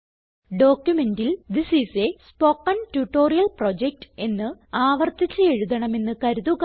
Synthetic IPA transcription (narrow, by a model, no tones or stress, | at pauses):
ɖo̞ːkjume̞ndild̪isisespo̞kːɐntuʈːo̞ːrijɐlprod͡ʑek̚ʈe̞nːɨaːʋɐrt̪it͡ɕːɐe̞ɻuðɐɳɐme̞nːɨkɐɾuðuɣ